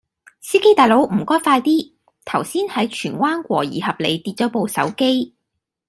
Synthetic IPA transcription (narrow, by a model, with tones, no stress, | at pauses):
siː˥ke˥jt̪aː˨jlo˨˥wm̩˨˩kɔː˥jfaː˧jt̪iː˥ | t̪ʰɐ˨˩wsiː˥nhɐ˨˥jt͡ʃʰyː˨˩nwaː˥nkʷwɔ̰ː˨˩jḭː˨˩hɐ˨p̚lḛ˨˧jt̪iː˧t̚t͡ʃɔː˨˥po˨wsɐ̰˨˥wke˥j